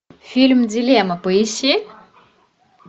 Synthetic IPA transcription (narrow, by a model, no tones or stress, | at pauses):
filmid͡zileamapoisi